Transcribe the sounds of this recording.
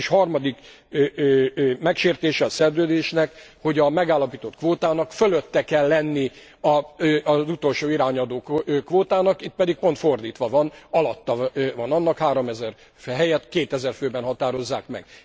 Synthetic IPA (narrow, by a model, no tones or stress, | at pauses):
ʃhɒrmɒd̪ikː | mɛkʃeːrt̪eːʃɛɒsɛrzøːd̪eːʃnɛkho̞ɟɒmɛɡaːlːɒpiːt̪o̞t̪kʋoːt̪aːnɒkføløt̪ːɛkɛlːɛnːi | ɒzut̪o̞lʃoːiɾaːɲɒd̪oːkkʋoːt̪aːnɒkit̪̚pɛd̪ik̚po̞n̪t̪fo̞rd̪iːt̪ʋɒvɒnɒlɒt̪ːɒvɒnɒnːɒkhaːɾo̞mɛzɛr | fɦɛjɛt̪keːt̪ɛzɛrføːbɛnɦɒt̪aːɾo̞zːaːkmɛ̰ɡ